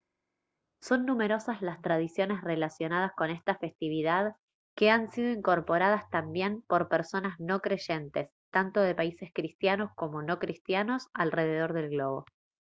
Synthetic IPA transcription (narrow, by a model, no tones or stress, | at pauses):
so̞nːume̞ɾo̞sazlast̪ɾað̞isjo̞ne̞sre̞lasjo̞nað̞asko̞ne̞st̪afe̞st̪iβ̞iðað | ke̞ansiðo̞iŋko̞ɾpo̞ɾað̞ast̪ambje̞mpo̞ɾpeɾso̞nazno̞kɾe̞ʃe̞nt̪e̞st̪ant̪o̞ð̞e̞paise̞skɾist̪jano̞sko̞mo̞no̞kɾist̪jano̞salreð̞e̞ð̞o̞ɾðe̞lɣlo̞βo̞̰